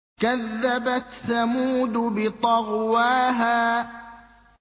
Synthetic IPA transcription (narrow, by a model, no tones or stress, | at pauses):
kaðːabat̪samuːd̪ʊbɪt̪ˤɑɣwaːɦaː